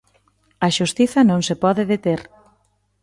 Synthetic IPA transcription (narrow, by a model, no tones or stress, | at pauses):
ɐʃust̪iθɐnõŋsepɔðɪðet̪eɾ